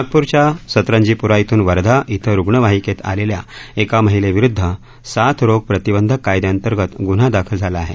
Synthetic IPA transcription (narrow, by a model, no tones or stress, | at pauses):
aɡ̚puɾt͡ɕjasət̪ɾəɲd͡ʑipuɾait̪ʰuːnʋəɾd̪ʱaʔit̪ʰəɾuɡɳəʋaɦiket̪a̰lelja̰ekaməɦileʋiɾud̪ʱːə | sat̪ʰɾoɡ̚pɾət̪ibənd̪ʱəkːajd̪eənt̪əɾɡət̪ɡun̤ad̪akʰəld͡zʱalaːɦḛ